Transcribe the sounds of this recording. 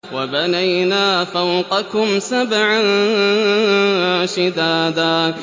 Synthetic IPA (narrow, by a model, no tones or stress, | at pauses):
wabanajnaːfawqɑkʊmsabʕa | ʃɪd̪aːd̪aː